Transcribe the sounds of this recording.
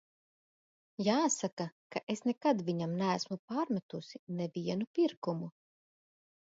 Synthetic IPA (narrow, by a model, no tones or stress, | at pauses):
jaːsakakaʔesnɛkad̪viɲamnæːsmupaːɾmat̪usinɛviɛnupʲiɾkumu